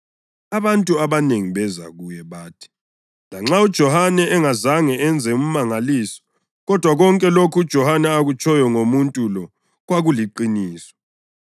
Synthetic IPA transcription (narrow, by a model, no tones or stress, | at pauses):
aβantʼuaβaneŋiβɛza̰ɣujɛβaːtʰi̥ | laŋ͡ǁaud̥ʒ̥ʱɔhanɛŋazaŋɛɛnd͡zʱɛum̩maŋaliːsɔ̥ | ɣɔd̥ʱwaɣɔŋkʼɛlokʰud̥ʒ̥ʱɔhanɛaɣut͡ʃʼɔjɔŋomuntʼulɔ | ɣwaɣuliǃiniːsɔ̥